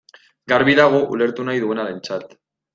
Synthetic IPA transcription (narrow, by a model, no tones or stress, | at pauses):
ɡaɾβiðaɣ̞oʔṵle̞ɾt̪unajðue̞naɾe̞nt͡sat̪